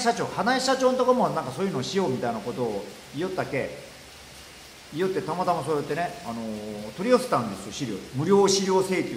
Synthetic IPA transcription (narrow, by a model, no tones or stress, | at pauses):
ɕat͡ɕo̞ːhanaiɕat͡ɕo̞ːnt̪o̞kamonãŋkasoːjɯːnoːɕijo̞ːmʲit̪ainako̞t̪o̞ː | ijot̪ːake̞ | ijot̪ːe̞t̪amat̪amasoːjot̪ːe̞ne̞ano̞t̪o̞ɾʲiose̥t̪ãnd̪e̞sɨjo̞ɕiɾʲo̞̰ːmɯ̟ɾʲo̞ːɕiɾʲjo̞ːse̞ːkʲɨ